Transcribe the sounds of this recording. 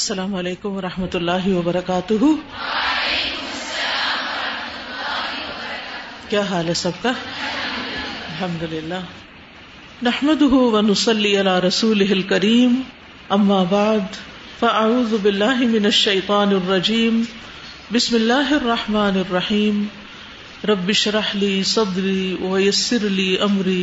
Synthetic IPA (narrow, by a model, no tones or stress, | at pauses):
ɐsːɐlaːmʊɐleːkʊmʋɐɾˤɑħmɐt̪ʊlːaːɦɪwɐbɐɾˤɐkaːt̪ʊɦʊ | kjaːɦaːlɛsɐb̚ka | ɐlɦɐmd̪ʊlɪlːaː | naħmɐd̪ʊɦʊwɐnʊsˤɑlːiːʔalaːɾˤɐsuːlɪɦɪlkɐɾiːm | ʔɐmːaːbaʕd̪ | faʔaʕuːðʊbɪlːaːɦɪmɪnɐʃːɐjt̪ˤɑːnɪrˤːɑd͡ʒiːm | bɪsmɪlːaːɦɪɑrˤːɑħmaːnɪrˤːɑħiːm | ɾˤɑbːɪʃɾˤɑħliːsˤɑd̪ɾiːwɐjasːɪɾliːʔɐmɾiː